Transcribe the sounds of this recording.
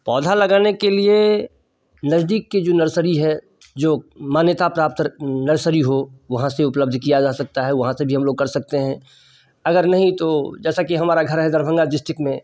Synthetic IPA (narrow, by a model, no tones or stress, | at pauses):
pɔːd̪ʱalɐɡaːnekelie | nɐzd̪iːkːed͡ʒoːnɐɾsəɾiɦɛ | d͡ʒoːmaːnjət̪apɾaːp̚t̪nɐɾsəɾiɦoʋɐɦãseʊpləb̚d̪ʱkijad͡ʒaːsɐk̚t̪aɦɛʋɐɦãsebʱiɦɐ̃mloːɡ̚kɐɾsɐk̚t̪eɦɛ̃ | ɐɡəɾnɐɦĩt̪od͡ʒɛːsakiɦɐmaːɾaɡʱɐɾɦɛd̪ɐɾbʱə̃ŋɡaɖɪsʈɪkmẽ